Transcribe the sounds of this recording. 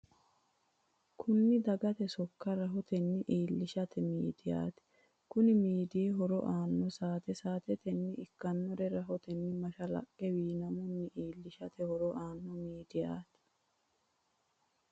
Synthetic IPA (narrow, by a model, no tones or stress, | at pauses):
kʰʊnːɪd̪ɐɡɐt̪ɛsɔkːɐɾɐɦɔt̪ɛnːɪʔiːlːɪʃɐt̪ʰɛmiːd̪ɪja̰ːt̪ɪ̥ | kʊnɪmiːd̪ɪɛɦɔɾɔ̰ʔaːnːɔsaːt̪ɛsaːt̪ɛt̪ɛnːɪɪkːɐnːɔɾɛɾɐɦɔt̪ɛnːɪmɐʃɐlɐ̰kʼːɛwiːnɐmʊnːɪʔiːlːɪʃɐt̪ɛhɔɾɔʔaːnːɔmiːd̪ɪja̰ːt̪ɪ̥